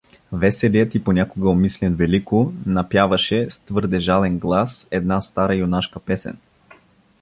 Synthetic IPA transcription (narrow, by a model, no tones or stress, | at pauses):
vɛsɛlijət̪iponʲakoɡəomislɛnvɛlikonɐpjavɐʃɛst̪vɤɾd̪ɛʒalɛnɡlˠasɛd̪nast̪aɾəjonaʃkəpɛsɛ̰n